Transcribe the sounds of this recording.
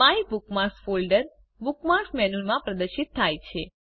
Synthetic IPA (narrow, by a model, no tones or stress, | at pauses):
paibukmaɾsfolɖəɾ | bukmaɾsmɛnunmãpɾəd̪əɾʃit̪ʰːajt͡ʃʰe